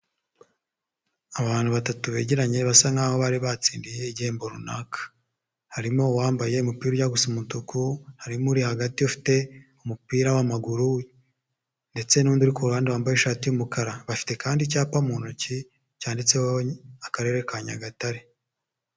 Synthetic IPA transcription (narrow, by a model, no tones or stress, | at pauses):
aβaːn̥huβatatuβe̞ːɟeɾaɲe̞βasaŋaːβoβaɾiβat͡siːndije̞iɟe̞ːmbo̞ɾunakʰḁ | haɾimo̞waːmbaje̞umupiːɾojaɡusumutukuhaɾimuɾihaɡatiufi̥te̞umupiːɾawamaɡuɾu | nde̞t͡se̞nuːnduɾikoɾuaːndaβwaːmbajeʃaːtijumukaɾaβafi̥te̞kaːndicaːpamunuci | caːndit͡se̞hoakaɾe̞ɾekaɲa̰ɡataɾe